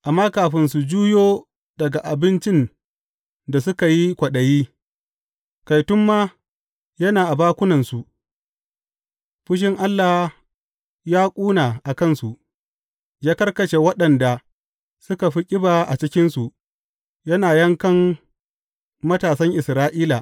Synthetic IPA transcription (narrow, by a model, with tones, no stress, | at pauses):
ʔa˨mːaː˦kaː˨ɸɪ˦nsu˨d͡ʒuː˦joː˦ | d̥ɐ˨ɡa˨ʔa˨bɪ˦nt͡ʃɪ˦n | da˨s̬ʊ˦ka˨ji˦kʷɐ˨ɗɐ˨jiː˦ | ka˨jtʊ˦mːaː˦ | jɐ˦naː˨ʔa˨baː˦kʷʊ˦nɐ˨nsu˨ | ɸʊ˦ʃ̬ɪ˦ŋʔa˦lːa˨h | jaː˦kʷʼuː˦naː˨ʔa˨kɐ˦˨nsu˨ʔ | d͡ʒaː˦kɐ˦rkɐ˨t͡ʃe˨wɐ˦ɗɐ˨nda˨ | sʊ˦ka˨ɸi˦kʲʼɪ˦baː˨ʔa˨t͡ʃɪ˦kʲɪ˦nsu˨ | jɐ˦naː˨jɐ˦ŋkɐ˦m | mɐ˦taː˨sɐ˦ŋʔɪ˨sɾaː˦ʔiː˦la˨